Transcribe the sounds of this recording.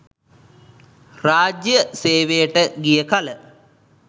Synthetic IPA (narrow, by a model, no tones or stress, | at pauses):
raːd͡ʒjəseːʋejəʈəɡijəkalə